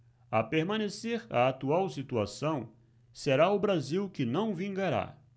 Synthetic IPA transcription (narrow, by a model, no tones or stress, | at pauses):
apeɾmɐ̃neseɾa̰at̪uawsit̪uasɐ̃w̃ | seɾaʊbɾaziwkɪnɐ̃w̃vĩŋɡaɾa̰